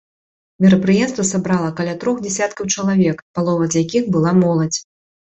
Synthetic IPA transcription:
mʲɛɾɐpɾɨjɛmst̪vɐsabɾalˠɐkalʲat̪ɾɔxd͡zʲɛsʲat̪kɐwt͡ʂɐlˠavʲɛkpalˠɔvɐzjakʲixbɨlˠamɔlˠɐt͡sʲ

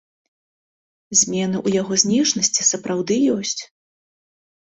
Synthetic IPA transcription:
zʲmʲɛn̪ɨʔujaɣɔzʲnʲiʂnɐsʲt͡sʲisɐpɾʔawd̪ɨjɔsʲt͡sʲ

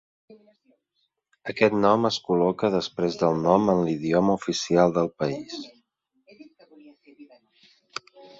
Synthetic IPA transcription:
əkɛt̪nɔməskulɔkəðəspɾezðəlˠnɔmənliðiɔməufisialˠd̪əlˠpəis

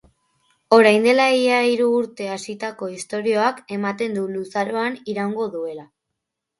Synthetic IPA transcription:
o̞ɾajnd̪e̞laiaiɾuːɾt̪e̞asit̪ako̞ist̪o̞ɾio̞ake̞mat̪e̞nd̪ulusaɾo̞aniɾawŋɡo̞ðue̞la

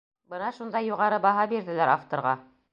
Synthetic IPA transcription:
bɤnɑʃund̪ɑjːuʁɑɾɤbɑɦɑbiɾðɘ̆læɾaft̪ŏɾʁɑ̰

